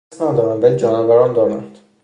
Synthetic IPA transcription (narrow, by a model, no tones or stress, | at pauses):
snæd̪ɒːɾænvælid͡ʒɒːnɒvæɾɒnd̪ɒːɾæ̰nd̪̥